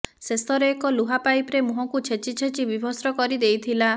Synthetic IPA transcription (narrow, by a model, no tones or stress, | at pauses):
sesɔɾeːkɔluɦapajpɾemuɦɔŋkut͡ʃʰet͡ʃit͡ʃʰet͡ʃibibʱɔsɾɔkɔɾid̪ejt̪ʰila